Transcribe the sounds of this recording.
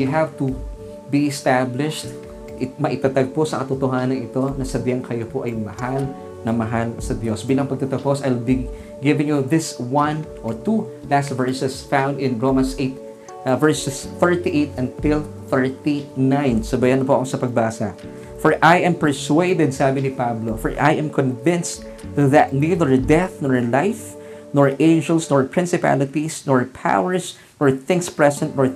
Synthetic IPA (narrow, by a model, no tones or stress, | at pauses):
jʊɦavt̪u | biʔɛst̪ablɪʃt̪ | ʔɪmɐʔɪt̪at̪aɡ̚posɐkɐt̪ʊt̪oɦaːnɐŋɪt̪o̞nɐsɐd̪jɐŋkʰɐjopoʔɐjmɐhal | nɐmɐɦalsɐd̪jo̞sbiːlɐŋpɐɡ̚t̪ɐt̪ɐposɐjlbi | ɡɪvɪ̃ŋjuðɪswɐ̃nʔoɹt̪u | last̪vɛɹsɛsfãw̃nd̪ɪ̃nɹomɐnsʔet̪̚ | vɛɹsɛsθɛɹt̪iʔejt̪ɐ̃nt̪ɪlˠ | θɛɹt̪inãjnsobɐjanɐpoʔɐkosɐpɐɡ̚baːsa | fɔɹʔajʔɛ̃mpɛɹsweɪd̪ɛd̪̚saːbɪnɪpablofɔɹʔa̰jʔɛ̃mkɔ̃nvɪ̃nst | ðɐt̪̚niðəɹd̪ɛθnɔɹlajf | nɔɹʔẽɪnd͡ʒɛlsnɔɹpɹɪ̃nsɪpa̰lɪt̪isnɔɹpʰa̰wəɹs | nɔɹθɪ̃ŋkspɹɛsɛ̃nt̪̚nɔɹ